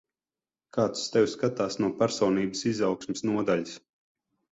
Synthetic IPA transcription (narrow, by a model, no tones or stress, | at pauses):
kaːt̪st̪ɛwskat̪aːsnuɔpæɾsɔːniːbəsizawksmisnuɔd̪aʎis